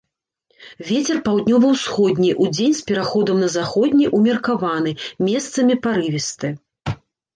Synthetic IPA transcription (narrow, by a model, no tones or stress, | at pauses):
vʲet͡sʲɛrpawd̪ʲnʲɔvɐwsxɔd̪ʲnʲijʔud͡zʲenʲspʲɛɾaxɔd̪ɐmnɐzaxɔd̪ʲnʲiʔumʲɐrkavan̪ɨmʲɛst̪sɐmʲipaɾɨvʲist̪ɨ